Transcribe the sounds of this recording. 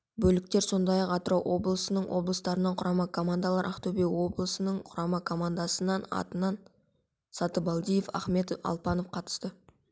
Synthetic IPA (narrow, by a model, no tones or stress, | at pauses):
bɵlɪk̚t̪e̞ɾso̞nd̪ɑjɑqɑt̪əɾɑwʔo̞blˠəsənəɴwʔo̞blˠəst̪ɑɾənɑɴqʰʊɾɑmɑkʰo̞mand̪ɑlˠɑɾʔɑqt̪ɵbewo̞blˠəsənəɴqʰʊɾɑmɑkʰo̞mand̪ɑsənɑnɑ̰t̪ənɑn | sɑt̪əbɑlˠd̪ijefæ̰χme̞t̪ɑ̰lˠpɑno̞fqʰɑt̪ə̥st̪ə